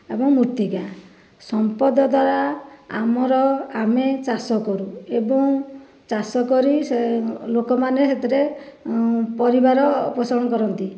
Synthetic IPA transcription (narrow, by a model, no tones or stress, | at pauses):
ebɔŋmuɾt̪iɡa | sɔmpɔd̪ɔd̪ʱwaɾaa̰mɔɾɔamet͡ʃasɔkɔɾuebɔŋ | t͡ʃasɔkɔɾiselokɔmaneset̪ʰiɾe | pɔɾibaɾɔpɔsɔɾɔɽ̃ɔkɔɾɔnt̪i